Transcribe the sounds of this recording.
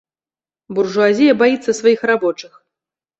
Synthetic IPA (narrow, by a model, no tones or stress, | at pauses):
burʐuazʲijɐbajit̪sːɐsvajixrabɔt͡ʂɨx